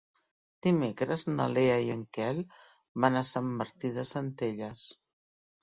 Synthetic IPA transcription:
d̪̥imekɾəznə̰leəiəŋkɛl | βanasəmːəɾt̪iðəsənt̪eʎəs

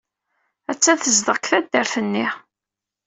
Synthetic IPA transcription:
æt͡sːæθəzd̪əʁkθæd̪ːəɾθənːi

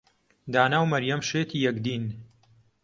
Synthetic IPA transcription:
d̪aːnaːwmɐɾjɐmʃeːt̪ʰiːjɐkd̪iːn

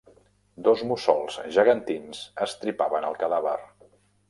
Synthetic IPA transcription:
d̪ozmusɔlˠzʒəɣənt̪insəst̪ɾipaβənəlˠkəðaβə̰r

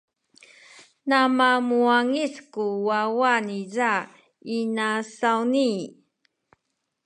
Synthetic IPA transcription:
namamuaŋiskuwawaniza | inasawni

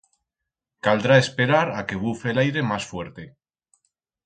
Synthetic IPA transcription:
kald̪ɾaespe̞ɾaɾake̞β̞ufelajɾe̞masfwe̞ɾt̪e

